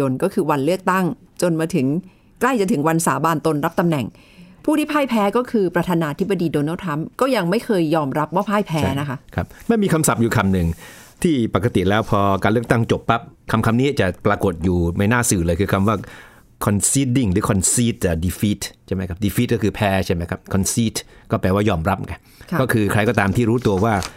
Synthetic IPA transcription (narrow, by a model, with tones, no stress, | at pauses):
o˧nkɔː˥˩kʰɯː˧wa˧nlɯ˥˩ək̚t̪a˥˩ŋt͡ɕo˧nmaː˧t̪ʰɯ˩˦ŋ | kla˥˩jt͡ɕa˨˩t̪ʰɯ˩˦ŋwa˧nsaː˩˦baː˧nt̪o˧nɾa˦˥p̚t̪a˧mnɛ˨˩ŋ | pʰuː˥˩i˥˩pʰaː˥˩jpʰɛː˦˥kɔː˥˩kʰɯː˧pɾa˧t̪ʰaː˧naː˧t̪ʰi˦˥ba˧diː˧doː˧na˥˩wt̪ʰɾa˦˥mkɔː˥˩ja˧ŋma˥˩jkʰɤː˧jːɔː˧mɾa˦˥p̚waː˥˩pʰaː˥˩jpʰɛt͡ɕːa˧˥na˦˥kʰa˦˥kʰa˦˥p̚ma˥˩jmiː˧kʰa˧msa˨˩p̚juː˨˩kʰa˧mnɯ˨˩ŋ | t̪ʰiː˥˩pa˨˩kːa˧t̪i˨˩lɛː˦˥wpʰɔː˧kaː˧nlɯ˥˩ək̚t̪a˥˩ŋt͡ɕo˨˩pːa˦˥p̚kʰa˧mkʰa˧mniː˦˥t͡ɕa˨˩ʔpɾaː˧ko˨˩t̪̚juː˨˩ma˥˩jnaː˥˩sɯː˨˩lɤː˧jkʰɯː˧kʰa˧mwaː˥˩ | kʰɔ˧nsi˦˥t̪̚di˥˩ŋɾɯː˨˦˥kʰɔ˧nsiː˦˥t̪̚ːa˨˩di˧fiː˦˥t̪̚t͡ɕʰa˥˩ma˦jkʰa˦˥p̚diː˧fiː˦˥kɔː˥˩kʰɯː˧pʰɛː˦˥t͡ɕʰa˥˩jma˦˥jkʰa˦˥p̚kʰɔ˧nsiː˦˥t̪̚kɔː˥˩pɛː˧waː˥˩jɔː˧˩mɾa˦p̚ka˧n˧kɔː˥˩kʰɯː˧kʰɾa˧jkɔː˥˩t̪aː˧mt̪ʰiː˥˩ɾuː˦˥t̪u˧ɐwaː˥˩